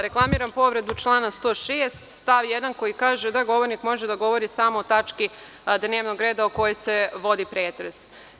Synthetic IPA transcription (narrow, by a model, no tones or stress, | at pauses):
ɾe̞klˠamiːɾampo̞ʋɾe̞d̪ut͡ʃlˠaːnast̪o̞ːʃeːst̪st̪aʋjed̪anko̞jikaːʒed̪aɡo̞ʋoɾnikmo̞ʒed̪aɡo̞ʋo̞ɾisaːmoːt̪at͡ʃki | d̪neːʋnoɡɾe̞ːd̪aoko̞jese̞ʋo̞d̪ipɾeːt̪ɾes